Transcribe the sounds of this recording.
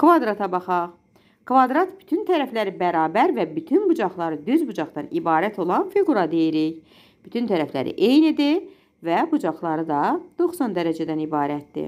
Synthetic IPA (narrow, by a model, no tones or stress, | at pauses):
kvɑd̪ɾɑt̪ʰɑbɑχɑʁ | kʰvɑd̪ɾɑt̪b̥y̥t̪ʰynt̪ʰæɾæflæɾibæɾɑːbæɾvæbyt̪ʰynbud͡ʒɑχlˠɑɾɯd̪yzbud͡ʒɑχt̪ɑnibɑːɾæt̪ʰo̞lˠɑnfiɡuɾɑd̪e̞jiɾiç | b̥yt̪ʰynt̪ʰæɾæflæ̰ɾḭʔejnid̪i | væbud͡ʒɑχlˠɑɾɯd̪ɑd̪̥o̞χsɑnd̪æɾæd͡ʒæd̪ænibɑːɾæt̪̚d̪ḭ